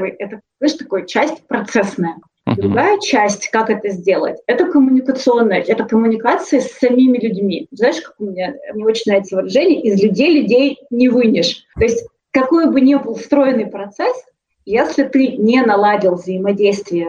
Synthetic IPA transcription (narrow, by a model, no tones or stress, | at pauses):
vɨjɛt̪əzaɪʂt̪ɐko̞jt͡ɕæsʲtʲpɾɐt̪sɛsnəjə | d̪ɾʲʊɡajət͡ɕæsʲtʲkakɛt̪əzʲdʲe̞lˠə̰tʲɛt̪əkəmʊnʲɪkət̪sɨo̞nːəjəʔɛt̪əkəmʊnʲɪkat̪sɨjəsʲːɐmʲimʲɪlʲʉdʲmʲiznaɪʂkḁkʊmʲɪnʲamnʲeo̞t͡ɕɪnʲnɾavʲɪt̪əvəɾɐʐɛnʲɪjəʔɪzlʲʉdʲejlʲʊdʲejnʲɪvɨnʲɪʂt̪o̞ɪsʲtʲ | kɐko̞jbɨnʲebɨlˠst̪ɾo̞ɪnːɨjpɾɐt̪sɛs | jesʲlʲɪt̪ɨnʲenɐlˠadʲɪlˠvzəɪmɐdʲejst̪vʲɪjə